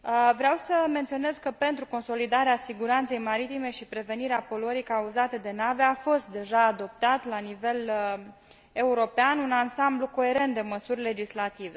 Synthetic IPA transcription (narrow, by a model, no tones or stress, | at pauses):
vɾeawsəment̪sio̞ne̞zkəpe̞nt̪ɾuko̞nso̞lid̪aɾeasiɡuɾant̪se̞jmaɾit̪ime̞ʃipɾe̞ve̞niɾeapo̞luəɾikauzat̪e̞d̪e̞naveafo̞st̪̚d̪e̞ʒaːd̪o̞p̚t̪at̪lanive̞l | e̞uɾo̞peanunansambluko̞e̞ɾe̞nt̪̚d̪eməsurʲle̞d͡ʒislat̪ive̞